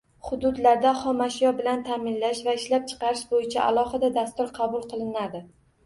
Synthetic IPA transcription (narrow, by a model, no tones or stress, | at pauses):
χʊd̪ʊd̪laɾd̪aχɒmaʃɪjɒbɪlant̪ʰamɪnlaʃvaɪʃlap̚t͡ʃʰɨ̥qɑɾɪʃbojɪt͡ʃʰaʔa̰lˠɒhɨd̪ad̪ast̪ʊɾqʰɑbʊlˠqʰɨlˠɪnad̪ɪ